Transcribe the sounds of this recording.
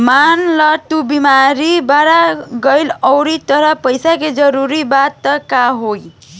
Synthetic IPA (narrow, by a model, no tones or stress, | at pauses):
manlʌʈ̪ubimaɾibaɾaɡəjləwɾit̪əɾʌpəjsaked͡ʒəɾuɾibat̪ːʌkaɦoj